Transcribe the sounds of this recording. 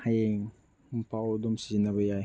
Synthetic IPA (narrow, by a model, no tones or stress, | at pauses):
hajeŋ | m̩pʰawdomsinabaja